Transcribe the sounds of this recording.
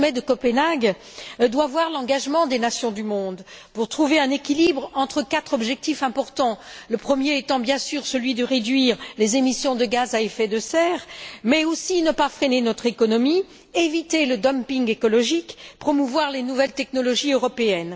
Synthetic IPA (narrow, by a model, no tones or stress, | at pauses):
mɛd̪əkɔpenaɡ | d̪wavwaʁlɑ̃ɡaʒmɑ̃d̪enasjɔ̃d̪ymɔ̃d̪ | puʁt̪χuveɛ̃nekʲilibʁɑ̃t̪χəkat̪χɔbʒɛk̚t̪ifɛ̃pɔʁt̪ɑ̃ləpχəmjeɛt̪ɑ̃bjɛ̃syʁsəlɥid̪əʁed̪ɥiʁlezemisjɔ̃d̪əɡazaefɛd̪əsɛːʁmɛosinəpafχenenɔt̪χekɔnɔmi | evit̪eləd̪ɔmpiŋɡekɔlɔʒikpχɔmuvwaʁlenuvɛlt̪ɛknɔlɔʒiøʁɔpeɛn